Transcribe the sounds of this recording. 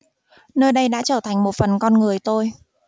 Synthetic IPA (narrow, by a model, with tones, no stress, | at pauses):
nəː˧jɗə˧jɗa̰ː˧˥t͡ɕəː˧˩t̪ʰa˨˩jŋ̟mo˨˩t̚fə˨˩nkɔ˧nŋɨ˨˩əjt̪o˧j